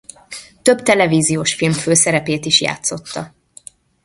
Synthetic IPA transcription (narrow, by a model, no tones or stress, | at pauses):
t̪ø̞bt̪ɛlɛviːzijoːʃfilmføːsɛɾɛpeːt̪iʃja̰ːt̪so̞t̪ːɒ